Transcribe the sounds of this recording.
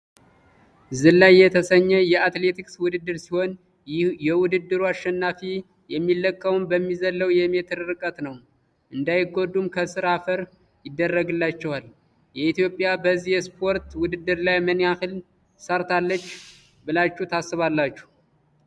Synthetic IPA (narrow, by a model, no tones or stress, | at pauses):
zɨlːajːɛt̪ʰəsəɲːɛjɛat̪le̞t̪ʰikswʊd̪ɨd̪ːɨɾsiho̞n | jɛwʊd̪ɨd̪ːɨɾuaʃːɛnːafi | jɛmːilːəkʼːəwmbəmːizəlːəwjɛmet̪ʰɨɾɨɾɨkʼət̪nəw | ʔɨnd̪ajɪɡo̞d̪ːumkʰəsʼɨɾafəɾ | jɪd̪ːərːəɡɨlːat͡ʃːɛwal | jɛit̪jo̞pʼːjabəzːihɛspʰo̞ɾt̪wʊd̪ɨd̪ːɨɾlajmənjahɨl | səɾt̪ʰalːət͡ʃː | bɨlat͡ʃːut̪ʰasːɨβalːat͡ʃːu̥h